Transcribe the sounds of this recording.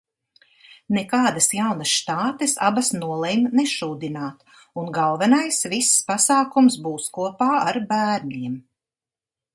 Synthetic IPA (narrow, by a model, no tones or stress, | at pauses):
nɛkaːd̪asjawnasʃt̪aːt̪ɛsa̰basnuɔlˠɛjmnɛʃuːd̪inaːt̪ | unɡalˠvɛnajsvisːpasaːkumsbuːskuɔpaːaɾbæːɾɲiɛm